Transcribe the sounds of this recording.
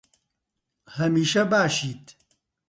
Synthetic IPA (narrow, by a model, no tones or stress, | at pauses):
hɐmiːʃɐbaːʃiːt̪